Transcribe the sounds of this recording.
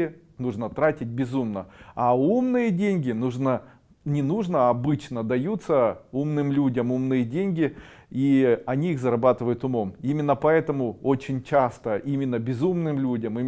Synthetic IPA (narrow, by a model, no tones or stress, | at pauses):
ɪ | nuʐnət̪ɾatʲɪt̚ʲbʲɪzumnəaumnɨjədʲenʲɡʲɪnuʐnə | nʲɪnuʐnəɐbɨt͡ɕnəd̪ɐjut̪səumnɨmlʲudʲəmumnɨjədʲenʲɡʲɪ | iɐnʲiixzəɾɐbat̪ɨvəjʊt̪ʊmo̞mimʲɪnːəpɐɛt̪əmʊot͡ɕɪnʲt͡ɕast̪əʔimʲɪnːəbʲɪzumnɨmlʲudʲəmi